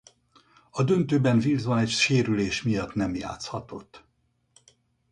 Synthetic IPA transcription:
ɒd̪ø̞nt̪øːbɛɱvilzbɒnɛcʃeːɾyleːʃmijɒt̪nɛmja̰ːt̪shɒt̪o̞t̪ː

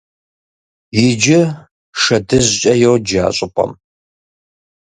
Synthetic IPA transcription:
jɪd͡ʒɪ | ʂɐdɨʑɕʼɐjowd͡ʒa̰ːɕʼɪpʷʼɐ̰m

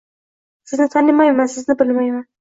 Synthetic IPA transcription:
sɪznɪt̪ʰanɪmajmansɪznɪbɪlmajman

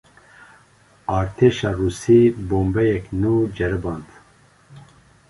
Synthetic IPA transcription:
ɑːɾt̪ʰeːʃɑːruːsiːboːmbɛjɛknuːd͡ʒɛɾɨbɑːnt̪

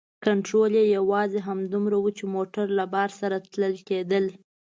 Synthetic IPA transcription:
kaɳʈɾoljejawɑzeɦamd̪umɾawut͡ʃemoʈaɾlabɑɾsaɾat̪ləlked̪əl

